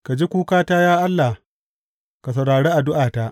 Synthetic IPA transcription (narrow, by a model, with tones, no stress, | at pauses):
ka˨d͡ʒi˦kʷuː˦kaː˦taː˦jaː˦ʔa˦lːa˨h | ka˨s̬ɐ˨wɽaː˨ɽeː˦ʔa˨dʊ˦ʔaː˨ta˦ʔ